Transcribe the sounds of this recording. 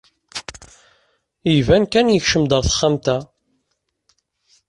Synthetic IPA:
ivænkænjəçʃəmd̪əɾθə̥χːamt̪æ

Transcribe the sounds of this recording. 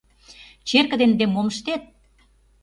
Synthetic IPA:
t͡ɕerkə̆d̪end̪emoməʃt̪et̪̚

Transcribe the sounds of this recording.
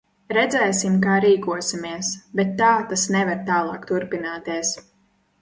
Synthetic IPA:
ɾɛd̪zɛːsimkaːɾiːkuɔsimiɛsbɛt̪ːaːt̪asnɛvaɾt̪aːlˠɑːkt̪uɾpinaːt̪iɛs

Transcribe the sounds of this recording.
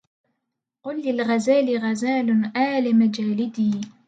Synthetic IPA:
qʊlːɪlɣazaːlɪɣazaːlʊʔaːlɪmad͡ʒaːlɪd̪iː

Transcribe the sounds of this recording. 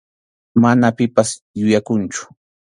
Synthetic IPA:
manapɪpas | jʊjakʊnt͡ʃʊ̥

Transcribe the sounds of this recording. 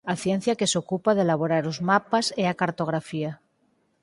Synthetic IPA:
aθjẽ̞n̟θjake̞sokupað̞elaβ̞o̞ɾaɾozmapaseakaɾt̪o̞ɣ̞ɾafia

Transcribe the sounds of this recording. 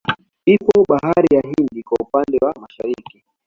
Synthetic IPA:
ipɔɓaɦaɾijaɦindikwaupandɛwamaʃaɾiki

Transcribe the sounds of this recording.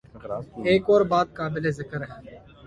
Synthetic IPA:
eːkɔːɾbaːd̪̚kaːbɪlezɪkəɾɦɛː

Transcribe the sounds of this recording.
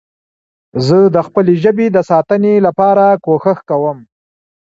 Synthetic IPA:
zəd̪əxpəleʒəbed̪əsɑt̪ənelapɑɾakoxəxkawəm

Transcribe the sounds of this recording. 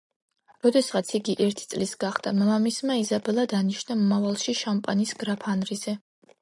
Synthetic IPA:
ɾɔd̪ɛsʁat̪sʰiɡiʔɛɾt̪ʰi̥t̪sʼlisɡaχd̪amamamismaizabɛlˠad̪aniʃnamɔmavalˠʃiʃampʼanisɡɾapʰanɾizɛ

